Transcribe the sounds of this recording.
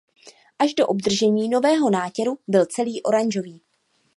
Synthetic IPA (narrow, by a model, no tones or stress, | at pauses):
ʔaʒdo̞ʔobd̪r̩ʒɛɲiːno̞vɛːɦo̞naːcɛɾubɪlt͡sɛliːʔo̞ɾaɲʒo̞viː